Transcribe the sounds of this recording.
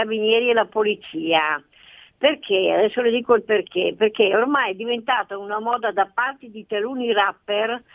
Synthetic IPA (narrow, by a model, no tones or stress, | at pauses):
abinjɛːɾielapolit̪t͡ʃiːa | perk̟ʰea̰d̪ɛsːoled̪iːkoilperkeperkeormajɛd̪ːivent̪aːt̪aunamɔːd̪ad̪apːart̪ed̪it̪aluːnirapːer